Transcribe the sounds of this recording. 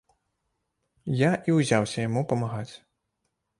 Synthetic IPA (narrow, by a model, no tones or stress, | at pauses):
jaʔiwzʲawsʲɐjamupɐmaɣat͡sʲ